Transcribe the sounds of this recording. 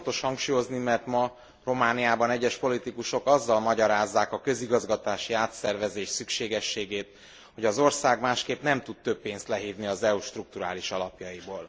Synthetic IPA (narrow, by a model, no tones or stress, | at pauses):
t̪o̞ʃhɒŋkʃuːjo̞znimɛrt̪mɒ | ro̞maːnijaːbɒnɛɟːɛʃpo̞lit̪ikuʃo̞kɒzːɒlmɒɟɒɾaːzːaːkɒkø̞ziɡɒzɡɒt̪aːʃiaːt̪sɛrvɛzeːʃsykʃeːɡɛʃːeːɡeːt̪ | ho̞ɟɒzo̞rsaːɡmaːʃkeːpnɛmt̪ut̪t̪ø̞pːeːnst̪lɛɦiːvniɒzɛuʃt̪ruk̚t̪uɾa̰ːliʃɒlɒpjɒjiboːl